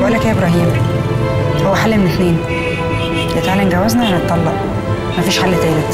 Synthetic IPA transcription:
bʔælːækæːʔebɾˤɑɦiːm | howːæħalːimenet̪neːn | jet̪ʕalenɡæwːæznæʔlæt̪ˤːɑlːɑʔ | mæfiːʃħalːt̪æːlet̪

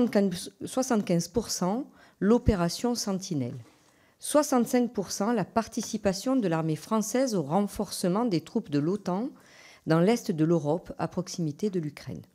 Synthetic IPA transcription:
swasɑ̃t̪kʲɛ̃zpuʁsɑ̃ | lɔpeʁasjɔ̃sɑ̃t̪ʰinɛ̰l | swasɑ̃t̪sɛ̃k̚puʁsɑ̃lapaʁt̪isipasjɔ̃d̪əlaʁmefχɑ̃sɛzoʁɑ̃fɔʁsəmɑ̃d̪et̪χupd̪əlɔt̪ɑ̃ | d̪ɑ̃lɛst̪d̪əløʁɔpa̰pχɔksimit̪ed̪əlykχɛ̰n

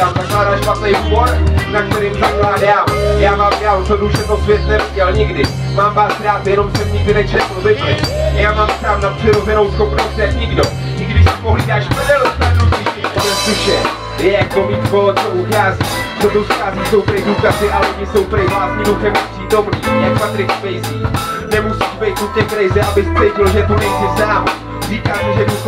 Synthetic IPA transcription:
jaːmzaklaːdalʃpat̪nɛjboɾnak̚t̪ɛɾɪːmzaklaːdaːmjaːmaːmdaːlt̪oduʒɛt̪opjɛsnɛvɪɟɛlɲɪɡdɪ | maːmvaːsɾaːt̪jɛno̞mpɛvɲiːvɪnɛt͡ʃnɛːpɾobɪklɪjaːmaːmpsaːfnapr̥ɪɾozɛnowskompɾomsɛɲɪɡdo | ɪɡdɪʃsɪpoɦliːdaːʃpɛdɛlost̪adupɪʃɛnɛsɪʃɛ | jɛjak̚bomiːt̪kolt͡soʔuxaːziːsod̪owsxaːziːso̞wpɾɪduːkazɪʔalɛoɲɪso̞wpɾɪvlaːsɲiːduxɛmapr̥iːt̪owpɾot̪oʒɛɲɛpat̪ɾɪkpɛjziːnɛmusiːʃbɛjt̪ucɛkɾajzɪʔabɪspsɛjcɪlʒɛt̪unɛjsɪsaːm | r̥iːkaːmɛʒɛdus

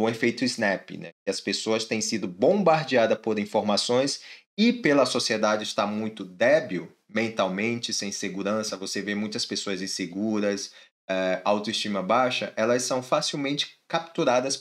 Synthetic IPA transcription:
ũefejt̪ʊiznɛpɪ̰nɛ̰ɪɐspesoɐst̪ẽj̃sid̪ʊbõmbaɾd͡ʒiad̪ɐpoɾĩfoɾmasõj̃s | ɪpelɐsosied̪ad͡ʒɪst̪amũj̃t̪ʊd̪ɛbiw | mẽnt̪awmẽnt͡ʃɪsẽj̃seɡuɾɐ̃sɐvosevemũj̃t̪ɐspesoɐzĩseɡuɾɐs | ɛawt̪oiʃt͡ʃĩmɐbaʃɐʔɛlɐssɐ̃w̃fasiwmẽnt͡ʃɪ̥kap̚t̪uɾad̪ɐs

